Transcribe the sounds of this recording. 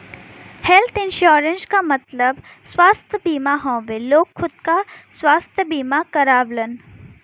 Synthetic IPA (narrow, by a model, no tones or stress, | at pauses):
helt̪ʰɪnʃoːɾə̃nskamɐt̪ləb | swaːst̪ʰəbiːmaɦõːʋeloːkxʊd̪̚kaswaːst̪ʰəbiːmakəɾaːblən